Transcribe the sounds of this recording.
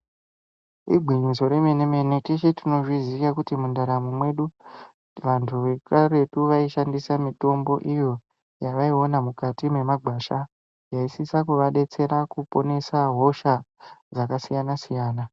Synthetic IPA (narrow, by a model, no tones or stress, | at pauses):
ḭɡʱiɲiso̞ɾemeneme̞netit͡ʃetino̞ʐizikakutimundaɾamumwe̞ɗu | ʋantʰuʋe̞kaɾe̞tuʋaiʃandisamito̞mbo̞ʔijo̞ | jaʋaio̞namukatime̞maɡʱaːʃa | jaisisakuʋaɗe̞t͡se̞ɾakupo̞ne̞saɦo̞ʃad͡zakasijanasijaːna